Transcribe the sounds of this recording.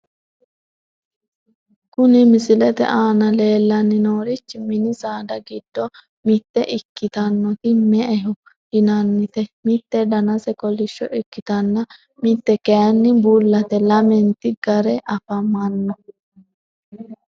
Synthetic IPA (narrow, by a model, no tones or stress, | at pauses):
kʊnɪmɪsɪlɛt̪ɛ̰ʔaːnɐle̞ːlːɐnːɪno̞ːɾɪt͡ʃːɪmɪnɪsaːd̪ɐɡɪd̪ːɔ | mɪt̪ːɛʔɪkːɪt̪ɐnːɔt̪ɪmɛʔɛɦʊ | hɪnɐnːɪt̪ɛmɪt̪ːɛd̪ɐnɐsɛkɔlːɪʃːɔʔɪkːɪt̪ɐnːɐ | mɪt̪ːɛkɛjɐnːɪbuːlːɐt̪ɛlɐmɛnt̪ɪɡɐɾɛʔɐfɐmɐnːɔ